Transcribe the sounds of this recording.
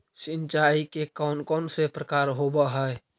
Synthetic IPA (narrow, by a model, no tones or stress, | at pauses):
sɪ̃nt͡ʃaikekɔːnkɔːnsepɾəkaːɾɦobaɦɛe